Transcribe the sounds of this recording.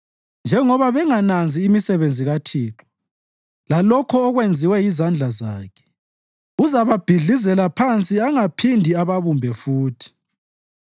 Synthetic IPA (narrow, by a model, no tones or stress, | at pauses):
nd͡ʒʱɛŋɔβaβɛŋanand͡zʱiːmisɛβend͡zʱiɣatʰiːtʰɔ̥ | lalɔkʰɔːɣwend͡zʱiwɛjizand͡ɮʱazaːkʰɛ̥ | uzaβab̥ʱiɮizɛlapʰant͡sʼiaŋapʰindʱiaβaβumbʱɛfuːtʰi̥